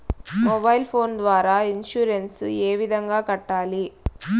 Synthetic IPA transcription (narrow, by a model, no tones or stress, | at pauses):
mɔbɐjlpʰoːnd̪ʋaːɾaːinʃuːɾenseːʋid̪ʱɐŋɡaːkɐʈːaːli